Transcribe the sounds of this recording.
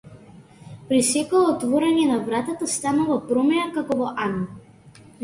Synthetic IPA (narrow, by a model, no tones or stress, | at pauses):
pɾisɛkɔɔt̪vɔɾɛɲɛnavɾat̪at̪ast̪anuvapɾɔmɛakakɔvɔʔana